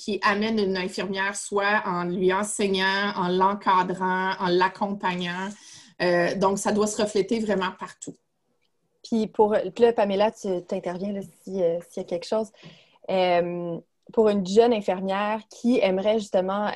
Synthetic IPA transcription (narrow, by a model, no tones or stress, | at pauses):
kʲʰiʔamɛnynɛ̃fiʁmjɛːʁswaɑ̃lɥiɑ̃sɛɲɑ̃ɑ̃lɑ̃kʰad̪ʁɑ̃ɑ̃lakʰɔ̃paɲɑ̃ød̪ɔ̃ksad̪wasəʁəflɛt̪evʁɛmɑ̃paʁt̪u | pʰɥipʰuʁləpamelat̪yt̪ɛ̃t̪ɛʁvjɛ̃ləsiøsijakʲɛlkʃoːz | øm | puʁynʒœnɛ̃fiʁmjɛːʁkʲʰiɛmʁɛʒyst̪əmɑ̃